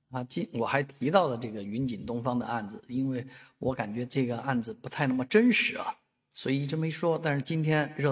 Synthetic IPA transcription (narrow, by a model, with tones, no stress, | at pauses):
a˧˩t͡ɕi˥nwɔ˨˩xa˧˥ɪt̪ʰi˧˥t̪ɑ˥˩ʊlə˩ʈ͡ʂɤ˥˩ɡə˩y˧˥nt͡ɕi˨˩nt̪ʊ˥ŋfɑ˥ŋd̪ə̰˨ʔa˥˩nd͡zɹ̩˩i˥nwe˥˩ɪwʔɔ˧˥ka˨˩nt͡ɕɥɛ˧˥ʈ͡ʂɤ˥˩ɡə˩ʔa˥˩nd͡zɹ̩˩pu˧˥t̪ʰa˥ɪn˥˩mə˩ʈ͡ʂə˥nʂɻ̩˧˥ɐ̰˧ | swɔ˧˥i˨˩ʈ͡ʂɤ˥˩me˧˥ɪʂwɔ˥t̪a˥˧nʂɻ̩˥˩t͡ɕi˥nt̪ʰjɛ˥nɻɤ˥˧˩